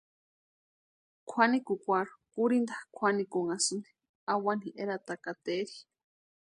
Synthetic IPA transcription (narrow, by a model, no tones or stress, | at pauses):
kʰanikukʷaɾu̥kuɾind̪akʰʷanikoŋasɨne̥ | awaniʔeɾat̪akat̪eɾi